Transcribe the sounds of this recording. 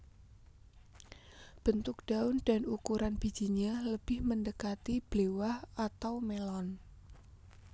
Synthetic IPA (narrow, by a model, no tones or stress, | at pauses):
b̥ənt̪ʊk̚d̪̥a̤ʊnd̥a̤nukuɾanb̥i̤d̥d͡ʒ̥i̤ɲaləb̥ɪhməndəkat̪ib̥lewahat̪awmelɔn